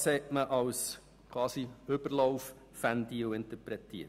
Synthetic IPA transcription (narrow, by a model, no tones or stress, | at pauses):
shɛtməʔɑws | kʰwɑːsiʏbəɾlɔwfː | ænd̪iʊɪnt̪əpɾɛt̪ḭː